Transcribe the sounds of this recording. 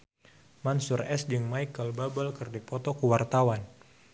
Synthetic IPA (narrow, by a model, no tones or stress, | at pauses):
mansurɛsd͡ʒɨŋmaikəlbabəlkərdipɔt̪ɔkuwart̪awan